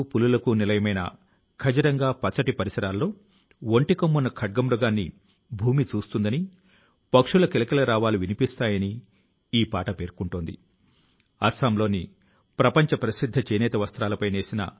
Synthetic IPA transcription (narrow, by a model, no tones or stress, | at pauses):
pululɐkunilɐjɐmɐjnɐ̰ | kʰɐd͡ʒɐɾɐŋɡaːpɐt͡ʃːɐʈipɐɾisɐɾaːlːo̞ː | o̞ɳʈikɐmːunːɐkʰɐɖ̚ɡɐmɾuɡaːnːḭ | bʱuːmit͡ʃuːst̪und̪ɐni | pɐkʂulɐkilɐkilɐɾaːʋaːluʋinipist̪aːjɐni | iːpaːʈɐpe̞ːɾkuɳʈoːnd̪ḭ | ɐ̰saːmlo̞ːni | pɾɐpɐɲt͡ʃɐpɾɐsid̪ʱːɐt͡ʃenɛːt̪ɐʋɐst̪ɾaːlɐpɐjne̞ːsinɐ̰